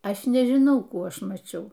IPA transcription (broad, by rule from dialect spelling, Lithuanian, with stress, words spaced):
ˈɐʃ nʲɛʒʲɪˈnɐʊ ˈkuː ˈɐʃ mɐˈt͡ʃʲɛʊ